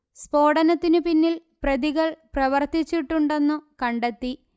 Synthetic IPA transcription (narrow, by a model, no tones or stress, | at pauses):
spo̞ːɽɐnɐt̪ːinɨpinːil | prɐðiɣɐɭprɐʋɐrt̪it͡ɕːiʈːuɳɖe̞nːukɐɳɖet̪ːi